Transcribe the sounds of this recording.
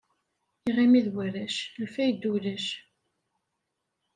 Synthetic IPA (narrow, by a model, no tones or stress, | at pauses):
iʁimiðwæɾæʃlfæjd̪ːulæʃ